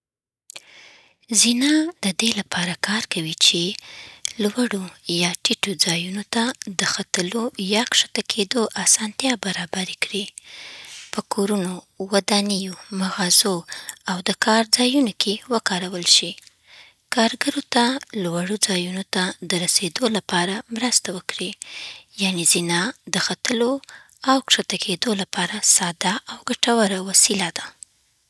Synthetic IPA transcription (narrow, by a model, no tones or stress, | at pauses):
zinɑd̪əd̪elapʰɑɾakʰɑɾkawit͡ʃe | lwaɽojɑʈiʈod͡zɑjunot̪ad̪əxat̪əlojɑkʂḁt̪akʰed̪oʔasɑnt̪jɑbaɾɑbaɾekɽi | pəkʰoɾuno | wad̪anijomaɣɑzoawd̪əkʰɑɾd͡zɑjunokʰewəkɑɾawəlʃi | kɑɾɡəɾot̪alwaɽod͡zɑjunot̪ad̪əɾased̪olapɑɾamɾəst̪awəkɽijanezinɑd̪əxat̪əlo | awkʂat̪akʰed̪olapɑɾasɑd̪aʔawɡaʈawaɾawasilad̪a